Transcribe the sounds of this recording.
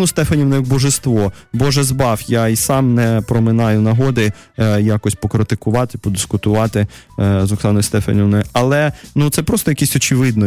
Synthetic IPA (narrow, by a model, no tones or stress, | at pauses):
nʊst̪ɛfɐnʲiwnɔjɐɡ̚bɔʒest̪ʋɔbɔʒɛzbɑfjaisɑmnɛpɾɔmɪnɑjʊnɐɦɔd̪ɪ | jakɔsʲpɔkɾɪt̪ɪkʊʋɑt̪ɪpɔd̪ɪskʊt̪ʊʋɑt̪ɪ | zɔksɑnɔjist̪ɛfɐ̰nʲiʋnɔjʊɐlˠɛnut̪sɛpɾɔst̪ɔjɐkʲisʲɔt͡ʃɪʋɪd̪nɔ